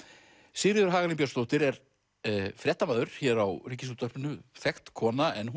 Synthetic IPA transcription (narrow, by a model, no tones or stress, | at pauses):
sɪːɾɪðʏɾ̥ɦaːɣalɪnpjœst̪owht̪ɪɾɛɾ | fɾjɛht̪amaːðʏɾ̥çɛɾawriːcɪsut̪œrpnʏθɛxt̪kʰɔːnaɛnh